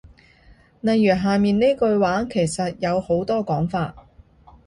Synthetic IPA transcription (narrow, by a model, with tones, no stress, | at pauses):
nɐ˨jyː˨˩ɦaː˨miː˨ne˥jkɵ˧ɥwaː˨˥ŋkʰe˨˩jsɐ˨t̚jɐ˨˧who˨˥wt̪ɔː˥kɔː˨˥ŋfaː˧t̚